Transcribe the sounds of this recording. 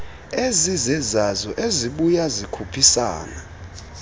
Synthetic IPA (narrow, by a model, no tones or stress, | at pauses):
ezizɛzazɔʔeziɓujazikʰupʰisa̰ːna̰